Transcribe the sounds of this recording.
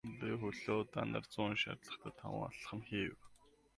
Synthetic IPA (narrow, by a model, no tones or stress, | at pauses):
pixɵɮoːt̪anə̰̆rt͡sʊːnʃa̰t̪ɮə̆χt̪ʰə̆t̪ʰːa̰wə̰̆ːa̰ɮ̆χə̆mxiːw